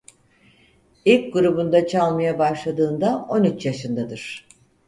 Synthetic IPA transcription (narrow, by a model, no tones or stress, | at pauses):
ilʲcɡuɾubund̪at͡ʃʰalˠmajabaʃlˠad̪ɯːnd̪ao̞nyt͡ʃjaʃɯnd̪ad̪ɯɾ̥